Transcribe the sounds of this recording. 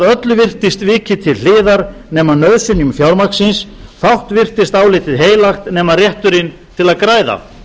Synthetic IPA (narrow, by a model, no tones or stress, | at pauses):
ðœt̪lʏvɪr̥t̪ɪst̪vɪːcɪt̪ʰɪllɪːðaɾnɛːmaðnœðsʏnjʏmfjawɾmaksɪnsθawht̪vɪr̥t̪ɪst̪aːwlɪt̪ɪðɦeːjlaxt̪nɛːmaðrjɛht̪ʏɾɪn | t̪ʰɪlaðkɾaːjða̰